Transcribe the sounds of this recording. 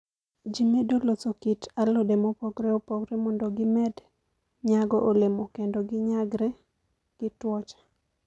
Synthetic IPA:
d͡ʒimedolot͡sokitalodemopɔɡɾɛopɔkɾɛmɔndoɡɪmɛd | ɲaɡɔʔolemokendoɡɪɲaɡɾɛ | ɡ̥ɪtwɔt͡ʃḁ

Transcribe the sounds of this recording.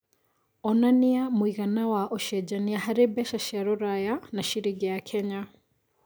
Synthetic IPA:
ɔnaniamwiɣanawaʔɔʃɛd͡ʒaniahaɾibɛʃaʃaɾɔɾajanaʃiɾiɡɛjakʰɛɲa

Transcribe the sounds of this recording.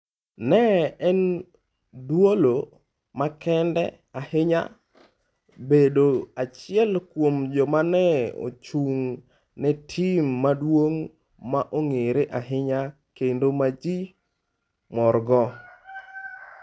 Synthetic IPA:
nɛɛn | dwolo | makɛndɛ̰ | ahɪɲa̰ | bedoat͡ʃɪɛlkwomd͡ʒɔmanɛo̰t͡ʃuŋ | nɛtʰimːadwoŋ | maʔoŋeɾeʔaɦɪɲa | kendomad͡ʒi | mɔɾɡɔ

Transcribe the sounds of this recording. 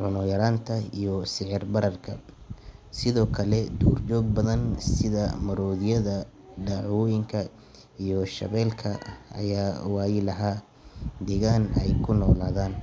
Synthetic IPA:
ʕʊnɔjɐɾaːnt̪ʰɐijɔsɪʕɪrbɐɾɐrkʰɐ | sɪðɔːkʰɐlɛd̪uːrt͡ʃɔːɡ̚bɐðɐnsɪðɐmɐɾɔːðɪjɐðɐ | ɖɑʕwɔːjɪŋkʰɐ | ijɔʃɐ̰βɛːlkʰɐ̰ɐ̰jaːwaːjɪlɐɦaː | d̪ɛːɣaːnɛ̰jkʰʊnɔːlaːðaːn

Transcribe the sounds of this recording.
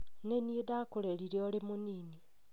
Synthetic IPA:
neniedakuleɾiɾeoɾimuniːni

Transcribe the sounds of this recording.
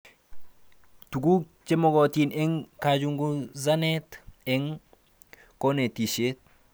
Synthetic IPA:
tuɡu | t͡ʃemoɡotineŋkad͡ʒuŋɡuzaneteŋ | konetiʃet̚

